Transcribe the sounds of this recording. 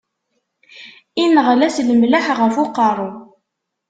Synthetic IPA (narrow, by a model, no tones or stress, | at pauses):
inəʁlæsləmlaħʁəfʊqɑɾˤu